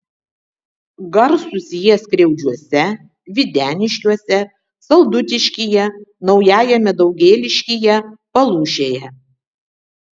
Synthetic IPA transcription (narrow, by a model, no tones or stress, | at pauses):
ɡɐɾsʊsʲɪjɛsʲkɾʲɛʊd͡ʒʲuɔsʲɛ | ʋʲɪd̪ʲæːnʲɪʃʲkʲuɔsʲɛ | sɐlˠd̪ʊt̪ʲɪʃʲkʲiːjɛnɒʊjæːjɛmʲɛd̪ɐʊɡʲeːlʲɪʃʲkʲijɛpɐlˠuːʃʲeːjɛ